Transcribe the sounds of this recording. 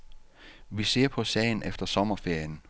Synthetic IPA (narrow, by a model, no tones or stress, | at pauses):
ʋise̝̰ɐ̰pʰɒ̽sɛ̰ɪnefd̥ɐsɒ̽mɐfe̝ɐ̰jən